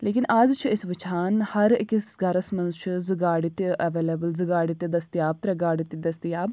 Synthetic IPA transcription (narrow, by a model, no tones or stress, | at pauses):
leːkɪnʔɐzt͡ʃʰɪsʋɪt͡ʃʰaːnhɐɾɪkɪsɡɐɾəsmɐ̃nzt͡ʃʰzɪɡaːɽit̪ʔɐʋeːleːbəlzəɡaːɽit̪ed̪ɐst̪ijaːb̚t̪ɾɐɡaːɽit̪id̪ɐst̪ijaːb